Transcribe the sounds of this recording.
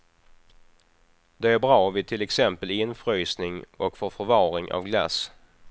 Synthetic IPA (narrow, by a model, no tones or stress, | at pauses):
d̪̥ɛæɾbɾɑːvɪt̪ʰɪlɛksɛmpəlɪnfɾyːsnɪŋɔkfoːɾfœɾvɑːɾɪŋʔa̰vɡla̰s